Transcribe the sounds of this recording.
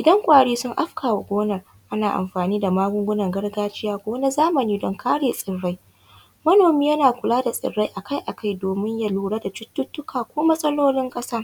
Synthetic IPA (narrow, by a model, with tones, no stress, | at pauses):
ʔɪ˨dɐ˦ŋkʷʼaː˨ɽiː˦sʊ˦ŋʔa˦ɸkʰaː˨wa˨ɡʷoː˦nɐ˨r | ʔa˦naː˨ʔa̰˨mɸaː˨niː˦da˨maː˦ɡʷʊ˦ŋɡʷʊ˦nɐ˨ŋɡɐ˦rɡaː˦t͡ʃɪ˦jaː˦ɡʷoː˦na˦zaː˦mɐ˨niː˦dɔ˨ŋkʰaː˦ɽeː˨sʼɪ˨ɽːa˦j | mɐ˦noː˨miː˦jɐ˦naː˨kʷʊ˨laː˦da˨sʼɪ̰˨rːa˦jʔa˨ka˦jʔa˨kʰa˦jdoː˨mɪ˦ɲja˦luː˨ɽaː˦da˨t͡ʃʊ˦tːʊ˦tːʊ˦kʰaː˨kʷoː˦mɐ˦sʼɐ˦loː˦lɪ˦ŋkʼɐ˦saː˦